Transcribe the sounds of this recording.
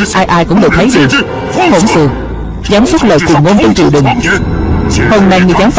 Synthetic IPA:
ʔaː˧jʔaː˧jkʊ̰˧˥ŋ͡mɗə̰ː˧˨˩t̪ʰə˨˦jɗɨ˨˩əŋ | ho˧˩nfɨ˨˩əŋ | zaː˨˦msə˦˥t̚lə̰ː˨jt͡ɕwi˨˩ŋo˧nt͡ɕə˧nt͡ɕḭ˧˨wɗɨ˨˩ŋ | ho˧mna˧jŋɨ˨˩zaː˨˦mf

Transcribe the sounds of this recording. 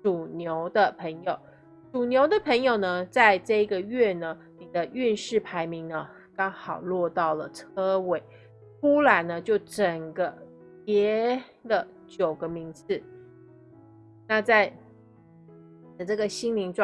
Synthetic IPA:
ʈ͡ʂu˨˩njo˧˥ʊd̪ə˨pʰə˧˥ŋjo˨˩ʊ | ʈ͡ʂu˨˩njo˧˥ʊd̪ə˨pʰə˧˥ŋjo˨˩ʊnə˦t͡sa˥˧ɪʈ͡ʂɤ˥˧i˧˥ɡə˨˩ɥɛ˥˩nə˩ | ni˨˩d̪ə˦ʔy˥˧nʂɻ̩˥˩pʰa˧˥ɪmi˧˥ŋnə˦ | kɑ˥ŋxɑ˨˩ʊlwɔ˥˧t̪ɑ˥˩ʊlə˩t͡sʰɤ˥we˨˩˦ɪ | ku˥la˨˥nnə˧˦t͡ɕjo˥˩ʊʈ͡ʂə˨˩ŋɡə˦ | pjɛ˧˥ | lə˨ | t͡ɕjo˨˩ʊɡə˦mi˧˥ŋd͡z̩˩ | na˥˧t͡sa˥˩ɪ | i˨˩d̪ə˩ʈ͡ʂɤ˥˩ɡə˩ɕi˥ŋli˧˥ŋʈ͡ʂ

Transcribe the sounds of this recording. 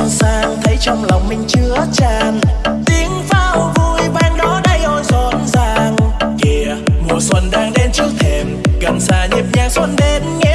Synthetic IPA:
nsaː˧ŋt̪ʰə˨˦jt͡ɕɔ˧wŋ͡mlɔ˨˩wŋ͡mmï˨˩ŋ̟t͡ɕɨ˧˦ət͡ɕaː˧˩nt̪i˨˦əŋfaː˧wvu˧˩jɓaː˧nɗɔ˨˦ɗa˧˩jʔɔ˧˩jzɔ˧˩nzaː˧ŋki˧˩əəmu˨˩əswə˧nɗaː˧ŋɗe˨˧nt͡ɕɨ˦ək̚t̪ʰe˧˩mɣə˨˩msaː˧˩ɲi˨˩p̚ɲaː˧ŋswə˧nɗe˨˦nŋɛ˧˦

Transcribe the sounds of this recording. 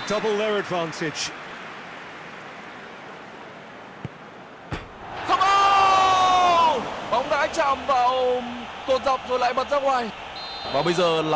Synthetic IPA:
d̥ʌbəlˠlɛɹədvãntʰɪd͡ʒ | xə˧ŋ͡mʔə˧ | ɓa̰˨˧˩wŋ͡mɗa̰ː˧˥jt͡ɕaː˧˨mvaː˨˩wt̪o˨˩t̚za˨˩wk͡p̚zo˨˩jla̰˧˨jmə˨˩t̚zaː˦˥k̚ŋwaː˨˩j | vaː˨˩ɓə˧jzəː˨˩l

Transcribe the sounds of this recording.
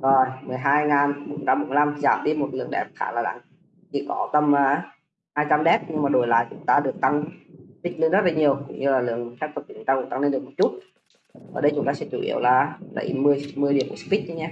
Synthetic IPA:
zo˨˩jmɨ˨˩əjɦaː˧jŋaː˨˩nɓo˧˩˦ŋ͡mt͡ɕa˧mɓo˨˧˩la˧m˨˩zaː˧˩mɗi˧˦mo˨˩t̚lɨ̰˧˨əŋɗɛ̰˨˩p̚xa̰ː˧˦laː˨˩la̰˧˦ŋ | t͡ɕʰḭ˧˩kɔ˨˦t̪ə˧mʔaː˧˩ | haː˧jt͡ɕa˧mɗɛ˦˥p̚ɲɨ˧ŋmaː˨˩ɗo˨˩jla̰ː˧˨jt͡ɕʊ̰˨˦ŋ͡mt̪aː˧ɗɨ˨˩ək̚t̪a˧ŋt̪ï˦˥k̚le˧nzə˦˥t̚laː˨˩ɲi˨˩əwkʊ̰˧˥ŋ͡mɲɨ˧laː˨˩lɨ̰˧˨əŋxaː˦˥k̚t̪ʰə˨˩t͡ɕʊ˨˧˦ŋ͡mt̪aː˧ku˧˩˦t̪a˧ŋle˧nɗəkmo˨˩t͡ɕu˦˥t̚ | ʔəː˧˩ɗə˧jt͡ɕʊ˨˦ŋ͡mt̪aː˧sɛ̰˧˥t͡ɕṵ˧˩ʔḭ˧˩əwlaː˨˩lə̰˨˧˩jmɨ˧əjmɨ˧əjɗi˨˩əmkṵ˨˩s̚i˦˥k̚ʔə˧˦ɲɛː˧

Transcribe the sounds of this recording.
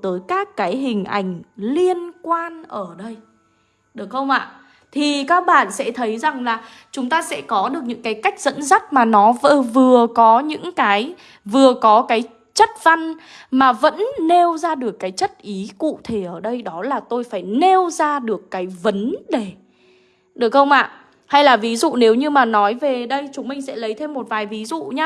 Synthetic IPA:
t̪əː˨˦jkaː˦˥kːaː˨˦jɦï˨˩ŋ̟ʔa̰˧˩jŋ̟li˧ənkwaː˧nʔəː˧˩ɗə˧j | ɗɨ˨˩ək̚xə˧wŋ͡mʔa̰ː˧˨ | t̪ʰi˨˩kaː˦˥k̚ɓa̰ː˧˨nsɛ̰˧˥t̪ʰə˨˦jza˨˩ŋlaː˨˩ | t͡ɕʊ˨˦ŋ͡mt̪aː˧sɛ̰˧˥kɔ˨˦ɗɨ˨˩ək̚ɲɨ̰˧˥ŋkaː˨˦jka˦˥jk̟̚z̥ə̰˧˥nza˦˥t̚maː˨˩nɔ˨˦və˧vɨ˨˩əkɔ˨˦ɲɨ̰˧˥ŋkaː˨˦j | vɨ˨˩əkɔ˨˦kaː˨˦j | t͡ɕə˦˥t̚va˧nmaː˨˩və̰˧˥nːe˧wzaː˧ɗɨ˨˩əkːaː˨˦jt͡ɕə˦˥t̚ʔi˨˦kṵ˧˨t̪ʰe˧˩ʔəː˧˩ɗə˧jɗɔ˨˦laː˨˩t̪o˧jfaː˧˩jne˧wzaː˧ɗɨ˨˩əkːaː˨˦jvə˨˦nɗe˨˩ | ɗɨ˨˩ək̚xə˧wŋ͡mʔa̰ː˧˨ | ha˧jlaː˨˩vi˨˦zṵ˧˨ne˨˦wɲɨ˧maː˨˩nɔ˨˦jve˨˩ɗə˧jt͡ɕʊ˨˦ŋ͡mmï˧ŋ̟sɛ̰˧˥lə˨˦jt̪ʰe˧mːo˨˩t̚vaː˨˩jvi˨˦zṵ˧˨ɲaː˧

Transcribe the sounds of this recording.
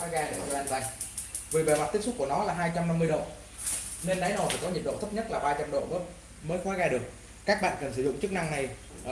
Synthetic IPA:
ɔ˨˦ɣaː˧ɗə˨˩zʔa˧nzaː˧˩j | vi˨˩ɓe˨˩ma˨˩t̪̚i˦˥k̚su˦˥k͡p̚ku˧˩ənɔ˨˦laː˨˩ɦaː˧jt͡ɕa˧wmna˧mːɨ˧əjɗo̰˧˨ | ne˧nɗa̰˨˦jno˨˧˩fʰaː˨˩kɔ˨˦ɲi˨˩t̚ɗo̰˧˨t̪ʰə˦˥p̚ɲə˦˥t̚laː˨˩ɓaː˧t͡ɕɔ˧mɗo̰˧˨˦ | məː˨˦jxɔ˨˦jɣaː˧jɗɨ˨˩ək̚ | kaː˦˥k̚ɓa̰ː˧˨nkə˨˩ns̬ɨ˧˩zʊ̰˧˨ŋ͡mt͡ɕɨ˦˥k̚na˧ŋna˨˩j

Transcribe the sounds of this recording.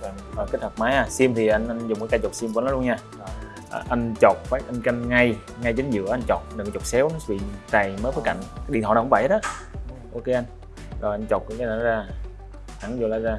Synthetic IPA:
hɔ˨˩kt̚hʰə˨˩k̚maː˨˦jʔaː˨˧˩si˧mt̪ʰi˨˩ʔa˧jŋʔa˧jŋzŋ͡mkaː˨˦kaː˧jt͡ɕo˨˩si˧mkːnɔ˨˦˧ɲaː˧ | ʔʔa˧ŋt͡ɕo˨˩k͡p̚faː˨˦jʔa˧jnka˧nŋa˧j | ŋa˧jt͡ɕe˨˦nzɨ̰˧˥əʔa˧jnt͡ɕo˨˩k͡p̚nː˨˩˨t͡ɕo˨˩sɛ˨˦wnɔ˨˦vḭ˧˨t͡ɕa˨˩jməː˨˦kfəː˨˦jka̰˧˨jŋ̟kaː˨˦ɗḭ˨nʰɔ̰ː˧˨˩kvə̰˧˩he˦˥ɗɔ˨˧˦ | ʔo˧ke˧ʔa˧jŋ | zo˨˩jʔa˧n̟t͡ɕo˨˩t̚kʊ̰˧˦kaː˨˦naː˧˦zaː˧˩ | a˨˧˩zo˨˩laː˨˧˦zaː˧

